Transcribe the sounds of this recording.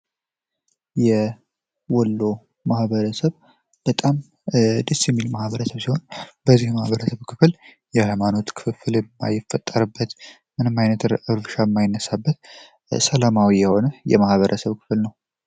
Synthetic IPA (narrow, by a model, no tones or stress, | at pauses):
jɛ | wɔlːo̞ | mahβəɾəsəβ | b̥ət̪ʼam | d̪əsjɛmːilmahβəɾəsəβsiho̞nbəzːihmahβəɾəsəβkʰɨfl | jɛhajmano̞t̪kʰɨfɨfɨlmːa̰jɪfːət̪ʼːəɾɨbːət̪ | mɨnɨmajnət̪ɨɾʔɨɾvɨʃamːajɪnːəsabːət̪ | səlamawijɛho̞nəjɛ̰mahβəɾʔəsəβkʰɨ̥flnəw